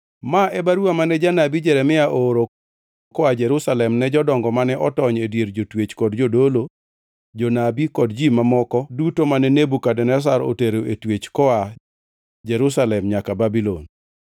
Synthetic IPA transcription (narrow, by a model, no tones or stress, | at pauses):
maʔɛbaɾuamanɛd͡ʒanabid͡ʒɛɾɛmɪaʔoɾo | kɔad͡ʒɛɾusalɛmnɛd͡ʒɔdɔŋɡɔmanɛʔɔtɔɲedjeɾd͡ʒotwet͡ʃkɔdd͡ʒodolo | d͡ʒonabikɔdd͡ʒimamɔkɔdutomanɛnebukadɛnɛs̬aɾo̰teɾoetwet͡ʃkɔa | d͡ʒɛɾusalɛmɲakababilon